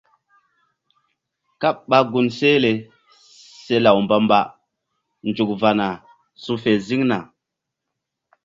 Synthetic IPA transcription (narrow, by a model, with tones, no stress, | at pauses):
ka˦pɓa˦ɡu˨nse˦le˨ | se˦la˨wmba˦mba˦ | nd͡ʒu˨k̚va˨na˨ | su˦fe˨zi˦ŋna˨